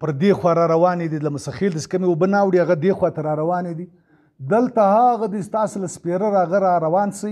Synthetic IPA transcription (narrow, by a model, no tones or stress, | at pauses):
pəɾd̪exwɑɾɑɾawɑned̪ilamʊsaxelt̪ase̥kəmeobənawɽiaɣad̪exwɑt̪aɾɑɾawɑned̪i | d̪əlt̪ahaɣad̪ist̪ɑsolaspeɾaɾɑɣaɾɑɾawɑnsə